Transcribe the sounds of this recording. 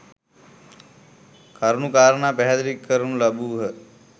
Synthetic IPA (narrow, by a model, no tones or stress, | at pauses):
kɐɾnukaːɾənaːpɛɦat̪ɾikːəɾunlɐbuːɦə